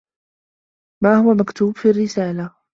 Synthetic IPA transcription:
maːhʊwamakt̪uːbfiːarːɪsaːla

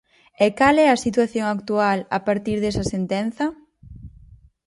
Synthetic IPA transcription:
ɛkalɛɐsit̪waθjoŋakt̪uala̰paɾt̪iɾðɛsɐsent̪ɛn̟θɐ

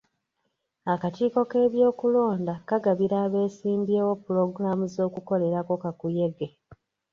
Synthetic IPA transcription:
akatiːko̞ke̞ːβjo̞ːkulo̞ːndakaɡaβiɾaːβe̞ːsiːmbjeːwo̞puɾo̞ɡuɾamuzo̞ːkuko̞le̞ɾako̞kakuje̞ɡe̞

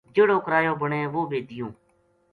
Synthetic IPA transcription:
d͡ʒeːɽõːkəɾaːjõːbəɳẽːʋoːbeːd̪ɪjõː

